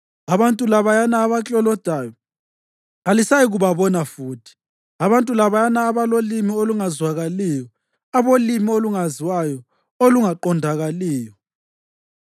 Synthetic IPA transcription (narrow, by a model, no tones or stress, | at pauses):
aβantʼulaβajanaːβat͡ɬʼɔlɔd̥ʱajɔ | alisajiɣuβaβɔnafuːtʰi̥ | aβantʼulaβajanaːβalolimioluŋazwaɣaliːjɔ | aβolimioluŋaziwajɔ | oluŋaǃɔndʱaɣaliːjɔ